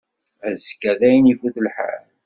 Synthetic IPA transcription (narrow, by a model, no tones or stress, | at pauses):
æzkːæðæjnifuθəlħa̰l